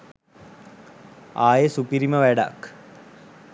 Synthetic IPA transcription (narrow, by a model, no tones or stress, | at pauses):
aːjesupiɾimɐʋɛɽa̰k